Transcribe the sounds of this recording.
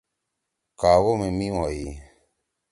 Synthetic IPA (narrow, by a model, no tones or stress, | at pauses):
kawomemĩwaji